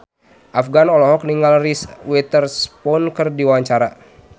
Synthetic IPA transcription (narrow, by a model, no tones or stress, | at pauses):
ʔafɡanɔlɔɦɔk̚niŋalriswɛt̪ərspɔnkɨrdiwaaɲt͡ʃaɾa